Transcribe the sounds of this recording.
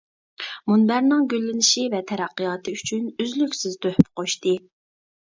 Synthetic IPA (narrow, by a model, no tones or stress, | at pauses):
munbæɾnɨŋɡʲølːɪnɪʃivɛt̪ʰɛɾæqːɨjɑːt̪ʰɨyt͡ʃʰynyzlykʲsɪzt̪ʰøhpqʰoʃt̪ɨ